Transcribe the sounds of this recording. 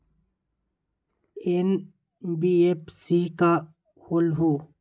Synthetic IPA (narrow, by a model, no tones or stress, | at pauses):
en | biepsika | holɦo